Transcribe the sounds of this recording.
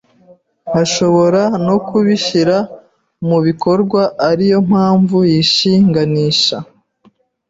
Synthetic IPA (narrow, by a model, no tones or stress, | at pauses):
naʃo̞βo̞ɾano̞kʰuβiʃiɾa | muβiko̞ɾɡwaʔːɾijo̞m̥haːɱvujiʃiːŋɡaniːʃa